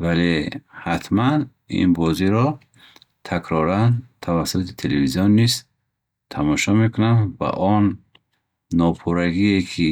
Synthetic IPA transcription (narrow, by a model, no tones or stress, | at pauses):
valehat̪ʰman | ḭnbɔziɾɔ | t̪ʰakʰɾɔɾant̪ʰavasut̪i̥t̪ʰelevizijɔnːiz̥ | t̪ʰamɔʃɔme̞kunamba̰ʔɔnː | ɔpʰuɾaɡiekʰi